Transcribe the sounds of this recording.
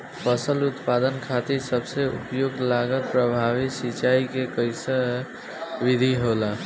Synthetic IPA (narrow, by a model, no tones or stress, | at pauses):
pəsəlut̪pad̪ənkʰat̪isəbseṵpjoɡlaɡət̪̚pɾəbʱaβisit͡ʃaikekəɪsə | ʋid̪ʱiɦola